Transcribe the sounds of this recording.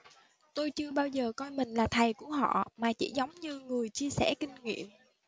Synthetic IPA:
t̪o˧jt͡ɕɨ˧əɓaː˧wzəː˨˩kɔ˧jmï˨˩ŋ̟laː˨˩t̪ʰa˨˩jku˧˩əɦɔ̰˧˨maː˨˩t͡ɕḭ˧˥zə˨˦wŋ͡mɲɨ˧ŋɨ˨˩əjt͡ɕi˧əsɛ˧˩kï˧ŋ̟ŋḭ˧˨əm

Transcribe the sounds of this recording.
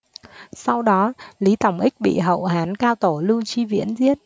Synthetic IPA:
sa˧wɗɔ˨˦li˨˦t̪ə˧˩wŋ͡mʔï˦˥k̚ɓḭ˧˨ɦə̰˧˨wɦaː˨˦nkaː˧wt̪o˧˩lɨ˧t͡ɕi˧vḭ˧˥ənzi˦˥ət̚

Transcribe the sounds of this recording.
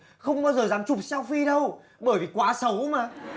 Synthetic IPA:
xə˧wŋ͡mɓaː˧wzəː˨˩zaː˨˦mt͡ɕʊ˨˩p̚sa˧wfi˧ɗə˧w | ɓəː˧˩jvi˨˩kwaː˨˦sə˨˦wmaː˨˦

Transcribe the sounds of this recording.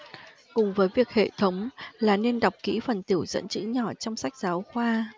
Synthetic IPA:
kʊ˨˩ŋ͡mvəː˨˦jvi˨˩ək̚hḛ˧˨t̪ʰə˨˦wŋ͡mlaː˨˩ne˧nɗa˨˩wk͡p̚kḭ˧˥fə˨˩nt̪i˧˩əwzə̰˧˥nt͡ɕɨ̰˧˥ɲɔ˧˩t͡ɕɔ˧wŋ͡msa˦˥jk̟̚zaː˨˦wxwaː˧

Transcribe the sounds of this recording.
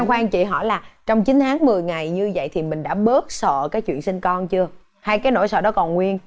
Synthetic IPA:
ŋxwaː˧ŋt͡ɕḭ˧˨ɦɔ̰˧˩laː˨˩t͡ɕɔ˧wŋ͡mt͡ɕi˨˦nt̪ʰaː˨˦ŋmɨ˨˩əjŋa˨˩jɲɨ˧və̰˧˨jt̪ʰi˨˩mï˨˩ŋ̟ɗa̰ː˧˥ɓəː˦˥t̚sə̰ː˧˨kaː˨˦jt͡ɕwḭ˧˨ənsi˧nkɔ˧nt͡ɕɨ˧ə | haː˧jkaː˨˦jno̰˧˥jsə̰ː˧˨ɗɔ˨˦˥kɔ˨˩nŋwi˧ən

